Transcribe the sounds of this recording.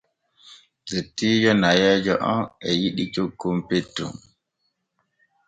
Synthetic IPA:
zetːiːd͡ʒɔnajɛːd͡ʒɔ̰ʔɔ̰nɛjiɗit͡ʃokːumpetːṵm

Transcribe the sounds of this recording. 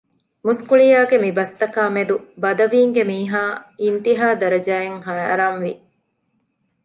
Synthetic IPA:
muskuɭijaːɡemibɐst̪ɐkaːmed̪ubɐd̪ɐʋiːŋɡemiːɦaːint̪iɦaːd̪ɐɾɐd͡ʒaːeŋɦɐjɾɐnʋḭ

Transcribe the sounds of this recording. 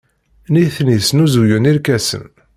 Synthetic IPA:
niθnisnuzujuniɾkæsə̰n

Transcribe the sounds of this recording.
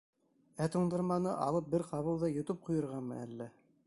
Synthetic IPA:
æt̪uɴd̪ɤ̆ɾmɑnɤ̰ʔɑ̰lˠɤp̚bɘɾqɑβɤlˠðɑjŏt̪ɤp̚qŭjɤ̆ɾʁɑnmɤ̰ælːæ

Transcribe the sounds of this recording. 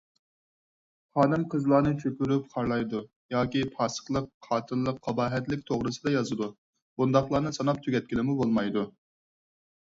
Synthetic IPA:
χɑːnɨmqʰəzlˠɑːnɨt͡ʃʰøkʲyɾyp̚qʰɑɾlˠɑjd̪u | jɑːkʲipʰɑsə̥χlˠəqʰːɑːt̪ʰɨlˠːəqʰːɑbɑːɦɛt̪lɪkʲt̪ʰoʁɾɨsɨd̪ɑjɑzɨd̪u | b̥und̪ɑχlˠɑːnɨsɑnɑp̚t̪ʰyɡʲɛt̪̚kʲilɪmubolˠmɑjd̪u

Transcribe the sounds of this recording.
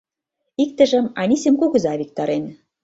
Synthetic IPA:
ik̚t̪ə̆ʒə̆mɑnʲisemkoɣɤ̆zɑβik̚t̪ɑɾen

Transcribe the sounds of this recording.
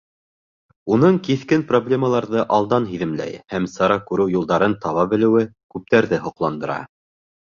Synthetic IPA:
unɤɴkiθkɘnproblʲe̞məlˠɑɾðɤʔɑlˠd̪ɑnɦiðɘ̆mlæ̰jhæmsɑɾɑkʉɾɘwjulˠd̪ɑɾɤnt̪ɑβɑbɘ̆lɘ̆wɘkʉp̚t̪æɾðɘɦŏqlˠɑnd̪ɤ̆ɾɑ̰

